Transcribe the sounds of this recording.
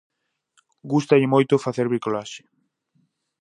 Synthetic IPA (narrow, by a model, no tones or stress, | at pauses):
ɡust̪aʎɪmojt̪ʊfaθeɾβɾikolaʃɪ̥